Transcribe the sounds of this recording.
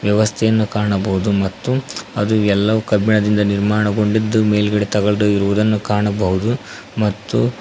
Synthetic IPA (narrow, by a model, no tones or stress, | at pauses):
ʋjɐʋɐst̪ʰɛjɐnːukaːɳɐbɐɦud̪umɐt̪ːuɐd̪uɛlːɐʋukɐbiɳɐd̪ind̪ɐniɾmaːɳɐɡo̞ɳɖid̪ːume̞ːlɡɐɭet̪ɐɡɐɭɐd̪uiɾuʋud̪ɐnːukaːɳɐbɐɦud̪u | mɐt̪ːu